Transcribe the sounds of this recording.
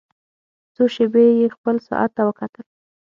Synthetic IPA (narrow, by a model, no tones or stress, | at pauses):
t͡soʃebejexpəlsʊ̰ʔa̰t̪ːawəkat̪əl